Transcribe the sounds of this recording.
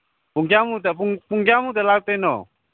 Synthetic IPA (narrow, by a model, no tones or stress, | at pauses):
puŋɡamut̪̬apuŋpuŋɡamut̪̬ɛlaut̪ɛno̰